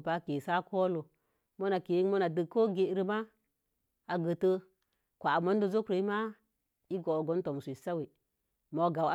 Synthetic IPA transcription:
pa˦ke˨sa˦kʰo˦lo˨ | mo˦na˨ke˨˦mo˦na˨də˨ko˦ɡe˨ɾə˦ma˦ | a˨ɡə˨tə˦ | kʷa˨mo˦n˦do˦zo˦kɾe˨˦i˦ma˦ | i˦ɡo˨ɡo˦nto˨m˨sʷsa˦we˨ | mo˨ɡa˨wa˦

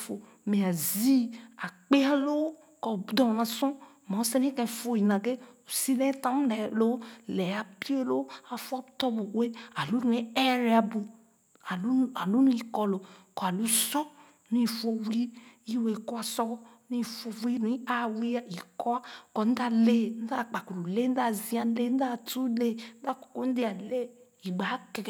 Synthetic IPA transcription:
fo˨ | me˨a˨zi˦a˨k͡pe˦a˦lo˦w | kɔ˨˦d̪ɔ˨nã˨sɔ̃˦ | mã˨˦se˦n˦ĩ˦kɛ̃˨fo˦ji˨nã˨ɡe˦o˨si˦lɛ̃˦t̪ã˦m˦dɛ˨lo˦lɛ˨a˨pi˦e˦lo˦a˨fa˦bt̪ɔ˦bo˨we˦a˨lu˦nũ˨˦e˦ɛ˦ɾe˨˦a˨bu˨ | a˨˦a˨lu˦nũ˦i˨kɔ˦lo˨kɔ˨a˨lu˨˦sɔ˦ | nũ˦i˨fo˧wi˦i˦we˨˧˨kɔ˦a˧sɔ˦ | nũ˦i˧˨fo˧wi˦nũ˨˦i˦a˦wi˦a˨i˨kɔ˦a˦kɔ˨n̩˦da˦le˦˨n̩˦da˦˨k͡pa˨ku˨lu˨le˦n̩˦da˦˨zĩ˨˦a˧˦le˦n̩˦da˦˨tu˦le˦˨n̩˦da˦˨kɔ̥˨ko˦n̩˦de˦a˨le˦ | i˨ɡ͡ba˨˦ke˨

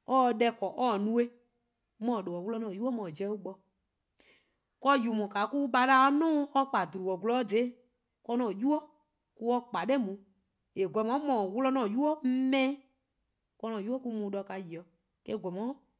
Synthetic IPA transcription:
ɔ˦˨˧dɛ˧kɔ˨ʔɔ˦˨nũ˦e˦ | mɔ̃˨ɗo˨ɔ˨wlɔ˦nɔ̃ː˨ju˦ɔ˦mɔ̃˨d͡ʒɛ˦u˦ɓɔ˧ | kɔ˦ju˨mɔ̃˨ka˨˦ku˦ɓa˨˦ɾa˨˦ɔ˦nũː˦ɔ˧k͡pa˨du˨ɾu˨ɔ˨ɡu˧lɔ˦de˨˦ | kɔ˧˦nɔ̃˨ju˦ɔ˦ | ku˦ɔ˦k͡pa˨ɗɛ˦˨mũ˨ | e˨ɡʷlɔ˨mɔ̃˨˦mɔ̃˨wlɔ˦nɔ̃ː˨ju˦ɔ˦m̩˦mɛ̃˦ | kɔ˧nɔ̃˨ju˦ɔ˦ku˧˦mũ˨˦ɗɔ˧ka˧ji˨ɔ˨ | kɛ˦˨ɡlɔ˨mɔ̃˨˦

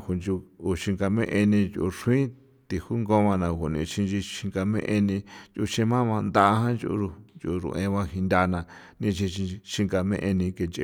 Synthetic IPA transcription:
hu˨nd͡ʒu˧u˨ʃi˧ŋɡa˧mẽ˦ʔe˧nĩ˧d͡ʒu˧u˧ʂu˧˦ĩ˦ | t̪i˨hu˦ŋɡõ˦βã˧nã˧˨hu˨nḭ̃˧˨ʃĩ˧nd͡ʒi˧ʃi˧ŋɡa˧mḛ̃˦ʔe˧nĩ˧nt͡ʃu˧ʃẽ˧mã˦βã˧nd̪a˦ʔɦã˦nd͡ʒu˧u˧u˧nd͡ʒu˧ɾṵ̃˨ʔẽ˧βã˧hi˧nd̪ʲa˧nã˧nĩ˧t͡ʃi˧ʃi˧ʃi˧ŋɡa˧mḛ̃˦ʔe˧nĩ˧ke˧nt͡ʃḛ˧

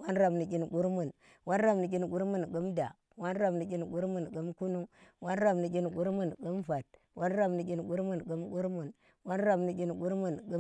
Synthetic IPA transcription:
wa˦nɾa˦bni˨kʲi˦nɡu˦ɾmu˨n | wa˦nɾa˦mni˨kʲi˦nɡu˦ɾmu˦n˨ɡu˦mda˨ | wa˦nɾa˦˨bni˨kʲi˦n˨ɡu˦ɾmu˦˨nɡu˦mku˦nu˦wa˦nɾa˦mni˨kʲi˦nɡu˦ɾmu˦˨nɡu˦mfa˨t̚ | wʔa˦nɾa˦mni˨kʲi˦n˨ɡu˦ɾmu˦˨nɡu˦mɡu˦ɾmu˨n | wa˦nɾa˦˨bni˨kʲi˦nɡu˦ɾmu˨nɡu˦

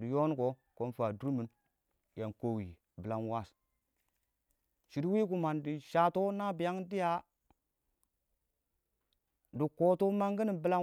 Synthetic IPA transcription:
di˨jo˦n˦ko˦ | ko˦nfa˨du˦ɾmi˨˦n | ja˨nko˦wi˨ | bi˨la˦nwa˦˨s | ʃi˨ɾwi˦ku˨ma˨ndi˨ʃa˨˦to˦na˦bi˨ja˦ŋdi˦ja˦ | di˨ko˨to˦ma˦ŋɡi˦ni˨bi˨la˦

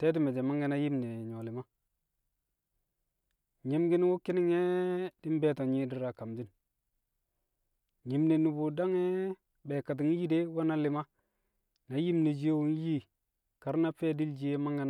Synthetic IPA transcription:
te˦ti˦me˨d͡ʒe˨ma˦ŋɡe˦na˦ji˦mne˨ɲo˨li˨ma˦ | ɲi˨mɡi˦n˦wu˦ki˦ni˦ŋe˦di˦m˦be˦to˨ɲi˦di˨ɾa˨ka˨md͡ʒi˦n | ɲi˨mne˨nu˨bu˨da˦ŋe˦ | be˨ka˨t̬i˨ŋ˦ji˦de˦wa˦na˦li˨ma˦ | na˨ji˦mni˨d͡ʒi˦e˦wu˦ŋ˦ji˦ | ka˨ɾna˦feː˦di˦ld͡ʒi˦je˦ma˦ŋɡe˦n˦

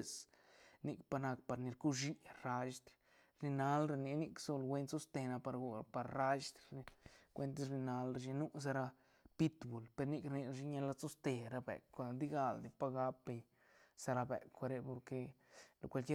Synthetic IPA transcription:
sni˧kpa˧na˧kpa˨ɾni˧ɾku˦ʃi˧ɾa˧ʃd̪ | ɾni˧na˧lɾa˧ni˧ni˧kso˧lɡwe˧˦nso˦st̪e˧na˧pa˧ɾɡpa˨ɾɾa˦ʃd̪ɡʷwe˧nt̪ɾni˧na˦lɾa˧ʃ̬i˧nu˦s̬a˧ɾa˧ | pi˦t̪bu˨lpe˧ɾni˦˧kɾni˧ʃi˧˦ɲa˧la˧so˦st̪e˧ɾa˧bḛ˨kʷːa˧d̪i˦ɡa˧ld̪i˨pa˦˧ɡa˧˦pːe˧ɲ | sa˧ɾa˧bḛ˨kʷːa˧ɾe˧po˧ɾke˧lo˨kʷa˧lki˦

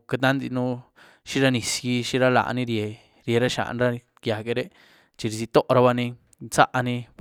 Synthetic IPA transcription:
ke˧t̪̬ã˦nd̪i˧nũ˦˧ | ʃi˦ɾa˧nĩ˧˨si˧ʃĩ˧ɾa˦la̰˨ʔnĩ˧˦ɾe˨˧ | ɾje˧ɾa˦ʃa̰˨ʔnɾa˦˧ | kja˨ke˧ɾe˦ | t͡ʃi˧ɾi˧s̬i˧t̪o˦ʔɾa˧βa˧nĩ˧ | t͡sa̰˦ʔa˧nĩ˧

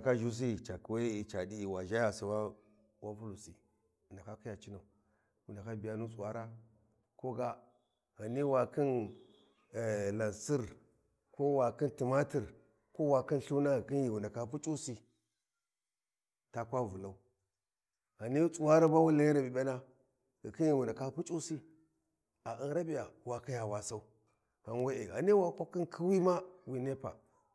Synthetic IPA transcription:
a˨ka˦ʒu˦s̬i˦˨t͡ʃa˨ki˨wa˦i˨t͡ʃa˨di˦i˨wa˨ʒa˦ja˨si˨wa˦ | wa˦mpu˦lu˨si˨ | na˨ka˦ki˦ja˨t͡ʃi˦na˨u˨ | wu˨nda˨ka˦bi˨ja˦nu˦t͡sʼu˨wa˦ɾa˦ | ko˦ɡa˦ | ɣa˨ni˦wa˨ki˦n˨ | la˨nsi˦ɾ | ko˦wa˨ki˦nti˨ma˦ti˨ɾ | ko˦wa˨ki˦nɬu˦na˦ɣki˦n˦ji˨wu˨nda˨ka˨pu˦t͡ʃʼu˦si˨ | ta˨kʷa˦vu˨la˨u˦ | ɣa˨ni˦t͡sʼu˨wa˦ɾa˦ba˦wu˦la˨˦ji˦ɾa˨bi˨be˦na˦ | ɣi˨ki˦n˦ji˨wu˨nda˨ka˦pu˦t͡ʃʼu˦si˦ | a˨ʔi˦n˦ɾa˦bi˨ja˨wa˨ki˦ja˨wa˨sa˦u˦ | ka˨n˦we˦e˨ɣa̰˨ni˦wa˨kʷa˦ki˦nkʰi˦wi˦ma˦wi˨ne˦pa̰˨

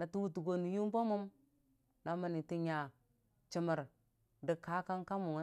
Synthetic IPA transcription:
na˨tu˦wu˨tu˨ɡo˨ni˨ju˦m˦bo˦mu˦m | na˨ma˨ni˨ti˦ɲa˨ | t͡ʃi˨mə˨ɾ | di˨ka˦ka˦ŋka˦mu˨ŋ˨˦

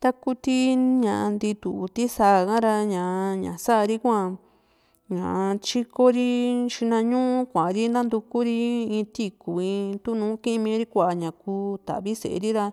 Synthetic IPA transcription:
t̪a˦ku˦t̪i˦ɲã˨ʔa˧nd̪i˧t̪u˨˧t̪i˦sa˧˦˨kã˦ɾa˧ɲã˨˧ɲã̰˨sa˦ʔɾi˦kʷã˦˧ | ɲã̰˨ʔt͡ʃi˧ko˦ɾi˦ʃi˧nã˧ɲũ˦ũ˦kʷã˨˧ɾi˦nã˦nd̪u˧ku˦ɾi˦ĩ˧t̪i˦ku˨ĩ˧t̪u˦nũː˨˦kĩ˦˧mĩ˧˦ɾi˦kʷa˧˨a˨ɲã˨kuː˧˦t̪a̰˨βi˦sḛ˨ḛ˧ɾi˦ɾa˧

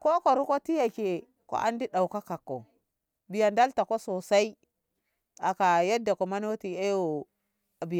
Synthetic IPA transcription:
ko˦ko˨ɾu˦ko˦ti˦ja˨ke˨ | ko̰˦ʔa̰˦ndi˦ɗa˨u˨ka˦ka˨kːo˨ | bi˨ja˨nda˦lta˨ko˦so˨sa˦i˦ | a˨ka˨ja˦dːa˨ko˨ma˦n˦wo˦ti˨e˦jo˨ | a˨bi˨ja˨

